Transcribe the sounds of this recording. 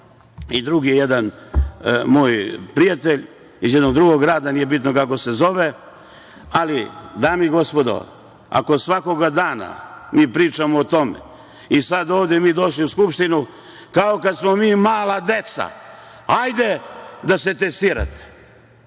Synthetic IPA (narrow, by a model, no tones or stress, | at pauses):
id̪ɾuɡijejed̪an | moːjpɾijat̪eʎ | izjed̪noɡ̚d̪ɾuɡo̞ɡɾaːd̪aniːjebit̪nokako̞se̞zo̞ʋe | alid̪aːmiɡo̞spo̞d̪o̰ | a̰ko̞sʋako̞ɡad̪aːna̰miːpɾiːt͡ʃamoːt̪o̞mḛ | isad̪oːʋd̪jemiːd̪o̞ʃliuskupʃt̪inu | kaokad̪smomiːmaːlad̪e̞t̪sa̰ | ajd̪ed̪ase̞t̪est̪iːɾa̰t̪e̥